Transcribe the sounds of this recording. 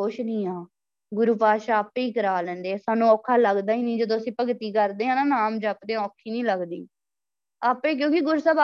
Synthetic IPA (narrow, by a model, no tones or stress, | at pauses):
ʊʃnĩːaː | ɡʊɾuːpaːʃaːaːpːiːkəɾaːlɛ̃ːnd̪eːsaːnũːɔːkʰaːləɡd̪aːiːnĩːd͡ʒəd̪õːəsĩːpəɡt̪iːkəɾd̪eːɦãːnaːnaːmd͡ʒaːpd̪ẽːɔːkʰːiːnĩːləɡd̪ḭː | aːpẽːk̬jõːkɪɡʊɾuːsəːba